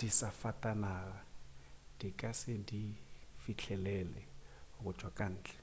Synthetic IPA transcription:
d̥isafatʼanaːɣa | d̥ikʼasɪdifit͡ɬʰɛlɛlɛ̰ɣʊt͡ʃʰʼwakʼan̩ːt͡ɬʼɛ̥

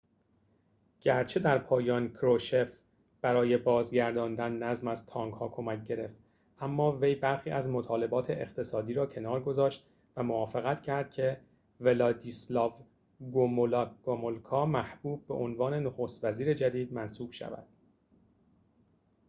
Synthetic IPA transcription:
ɟ̥æɾt͡ʃʰe̞d̪æɾpʰɒːjɒːnkʰɾoʃef | b̥æɾɒːje̞bɒːzɟæɾd̪ɒːnd̪ænːæzmæzt̪ʰɒːŋɡhɒːkʰo̞mæc̚ɟe̞ɾe̞ft̪ | ʔæmːɒːvejbæɾxiːʔæzmo̞t̪ʰɒːle̞bɒːt̪ʰe̞ʔeχt̪ʰe̞sɒːd̪iːɾɒːcʰe̞nɒːɾɡo̞zɒːʃt̪ | væmovɒːfe̞ɣæt̪ʰcʰæɾd̪̥̚cʰe̞ | ve̞lɒːd̪islɒːv | ɡomolɡ̥omolkʰɒːmæhb̥uːb̚ːe̞ʔonvɒːne̞noxoːst̪væziːɾe̞d͡ʒæd̪iːd̪̚mænsuːb̥ʃæ̰væ̰d̪̥

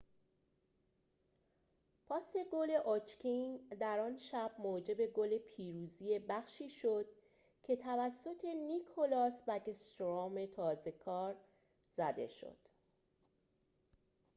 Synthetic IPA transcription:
pʰɒːse̞ɡole̞ʔot͡ʃkʲʰind̪æɾɒːnʃæb̥moːd͡ʒe̞be̞ɡole̞pʰiːɾuːzije̞bæxʃiːʃo̞d̪̥̚ | cʰe̞t̪ʰævæsːo̞t̪ʰe̞nikʰolɒːsvæɡest̪oɾɒːme̞t̪ʰɒːze̞kʰɒːɾ | z̥æd̪e̞̰ʃo̞̰d̪̥

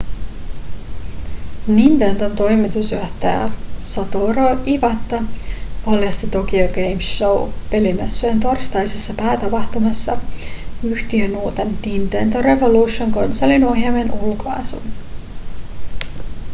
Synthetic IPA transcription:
nint̪ent̪ont̪o̞jmit̪usøht̪æ̰jæ̰sɑt̪oɾoʔiʋɑt̪ːɑpɑljɑst̪it̪ok̟ioɡejmsowpe̞limesːyent̪o̞rst̪ɑjsesːɑpæːt̪ɑpɑht̪umɑsːɑ | yht̪ienːuːt̪enːint̪ent̪oɾe̞vo̞luːʃoŋko̞nsolːinuoɦiɑmenʔulkoɑ̰sṵn

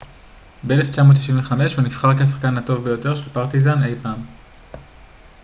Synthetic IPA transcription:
bele̞ft͡ʃamo̞t̪̬ːi̥ʃĩnveχame̞ʃhunifχaʁkeas̬ḁχkanato̞vbe̞jo̞t̪e̞ʁʃe̞lpaʁt̪izane̞jpaːm

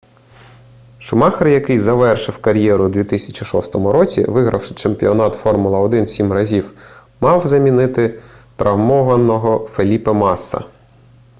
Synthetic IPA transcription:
ʃʊmɑxɐrjɐkɪjzɐʋɛrʃɪwkɐɾʲjɛɾʊd̪ʋʲit̪ɪsʲɐt͡ʃʲiʃɔst̪ɔmʊɾɔt͡sʲḭʋɪɦɾʔɐ̰wʃɪ̥t͡ʃempʲiɔnɑt̪fɔrmʊlˠɐɔd̪ɪnsʲimrɐzʲiw | mɑwzɐmʲinɪt̪ɪt̪ɾʔɐwmɔʋɐnɔɦɔfelʲipɐmɑsːɐ̰

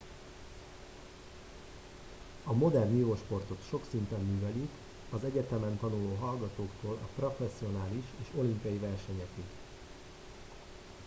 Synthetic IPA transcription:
ɒmo̞d̪ɛrnioːʃpo̞rt̪o̞t̪ʃo̞ksint̪ɛnːyːvɛlik | ɒzɛɟɛt̪ɛmɛnt̪ɒnuloːɦɒlɡɒt̪oːkt̪oːlɒ̰pro̞fɛsːio̞naːliʃeːʃo̞limpijɒjivɛrʃɛɲɛki

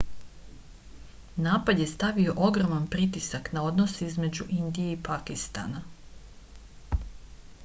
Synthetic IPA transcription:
naːpad̪je̞st̪aʋio̞ʔo̞ɡɾo̞manpɾit̪̬isaknao̞d̪no̞seizme̞d͡ʑuʔind̪ijeipakist̪a̰na

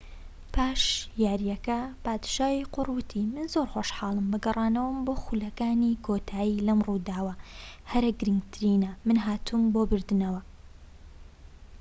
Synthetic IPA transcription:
pʰaːʃjaːɾjɐkɐpaːd̪ʃaːjiqʊrwɨt̪ʰimɨnzoɾxoːʃħɑːlˠɨmbɨɡɐrˤɑːnɐwɨmboːxulɐkaːnikʰoːt̪ʰaːjilɐmrud̪aːwɐ | hɐɾɐɡɨɾɨŋɡt̪ʰɨɾiːnɐmɨnɦaːt̪ʰumboːbɨɾd̪ɨnɐwɐ

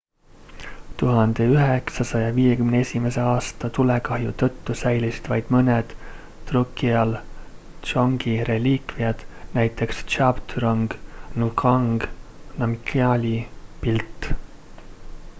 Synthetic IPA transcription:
t̪uɦɑnd̪̥e̞yɦeksɑsɑjɑviːje̞kymneesʲime̞se̞ɑːst̪ɑt̪ulekɑhjut̪ɤt̪ːusæjlisi̥d̪̥vɑjd̪̥mɤned̪̥ː | rukːˑiɑl | t̪t͡ʃoŋɡ̥iɾe̞lʲiːkviɑd̪̥næjt̪ːˑe̞kst͡ʃɑbt̪ɾɑŋɡ̥nukʰɑŋɡ̥nɑmikʰːɑlʲipilt̪ː

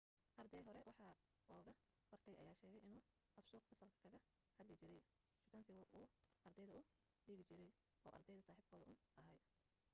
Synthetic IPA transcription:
ʔɐrd̪ɛjɦɔɾɛwɑħɑ | ɔːɣɐ | b̥ɐrt̪ʰɛjʔɐ̰jaːʃɛːɣɛjʔɪnuː | ʔɐfsuːqħʊsɐlkʰɐ̥kʰɐɣɐ | hɐd̪lɪt͡ʃɪɾɛj | ʃʊkʰɐnsʰɪuːʔɐrd̪ɛjðɐʊ | ɖiːɣɪt͡ʃɪɾɛj | ʔɔ̰ːʔɐ̰rd̪ɛjðɐsaːħiːb̚kʰɔːðɐʔʊnʔɐɦɐj

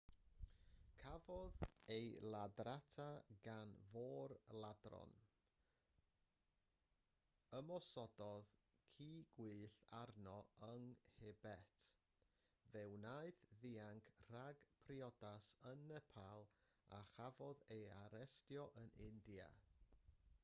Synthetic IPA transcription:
kʰavɔðejlˠadratʰaɡanvoːrlˠadrɔ̰n | əmɔsɔdɔð | kʰiːɡ̥wiːɬarnɔəŋhebɛtʰ | vɛwnaɨθðiaŋkʰr̥aɡpʰriɔdasənɛpʰalˠa̰χavɔðejaɾɛstjɔʔənɪndja̰

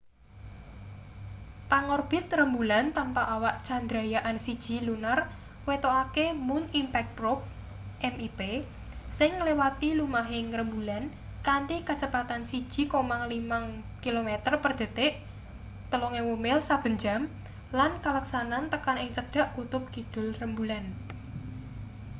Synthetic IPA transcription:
paŋorb̥ɪ̤t̪̚rəmbulant̪ampaʔawaʔt͡ʃand̪ɾajaʔansid̥ʒ̥i̤lunər | wet̪oʔakemʊnimpɛk̚ɾop̚ | ʔɛmipe | sɪŋːlewat̪ilumaɦɪŋɾəmbulan | kant̪ikat͡ʃəpat̪ansid̥ʒ̥i̤komaŋlimaŋ | kilomet̪ərpərd̪̥ə̤t̪eʔ | t̪əloŋewomɪlsab̥ə̤ɲd͡ʒam | lankaləksanant̪əkanɪŋt͡ʃəd̥a̤ʔkut̪ʊp̚kid̪̥ʊ̤lrəmbulan

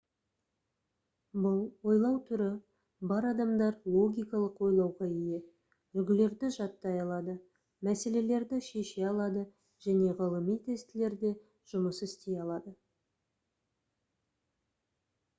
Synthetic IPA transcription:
bʊlˠwo̞jlˠɑwt̪ʰʏɾɪ | bɑɾɑd̪ɑmd̪ɑɾlˠo̞ɡʲijkɑlˠəqwo̞jlˠɑwʁɑije̞ | ʏlɡʲɪle̞ɾd̪ɪʒɑt̪ːɑjɑlˠɑd̪ə | mæse̞le̞le̞ɾd̪ɪʃeʃe̞ɑlˠɑd̪ə | ʒ̥æne̞ʁɑlˠəmijt̪ʰest̪ɪle̞ɾd̪e̞ | ʒ̥ʊməsɪst̪e̞jɑlˠɑd̪ə

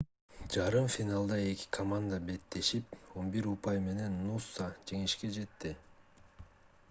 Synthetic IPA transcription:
d͡ʒɑɾɯmfʲinalˠd̪ɑe̞kʲi̥kʰɐmand̪abe̞t̪ːe̞ʃipo̞nbiɾupɑjme̞ne̞nːusːad͡ʒe̞ŋiʃke̞d͡ʒe̞t̪ːi

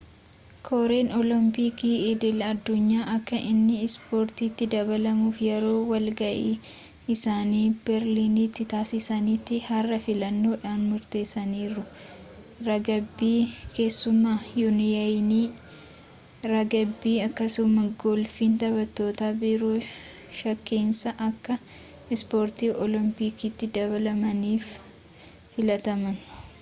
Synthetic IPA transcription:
kʰoːɾe̞ːnɔlɔmpikiːɪd̪ɪlɐd̪ːʊɲːaːʔɐkːɐʔɪnːɪɪspo̞ːɾt̪iːt̪ːɪd̪ɐbɐlɐmuːfjɛɾo̞ːwɐlɡɐʔiː | ɪsaːniːbɛɾlinit̪ːɪt̪aːsɪsɐniːt̪ːɪhɐrːɐfɪlɐnːo̞ːᶑaːnmʊɾt̪e̞ːsːɐniːɾʊ | ɾɐɡɐbːiːke̞ːsːʊmːaːjʊnjɐjniː | ɾɐɡɐbːiːɐkːɐsʊmːɐɡɔlfiːnt̪ɐbɐt̪ːo̞ːt̪aːbɪɾo | ʃɐkːeːnsɐʔɐkːɐ | ɪspoːɾt̪iːʔɔlɔmpikiːt̪ːɪd̪ɐβɐlɐmɐniːf | fɪlɐt̪ɐmɐn

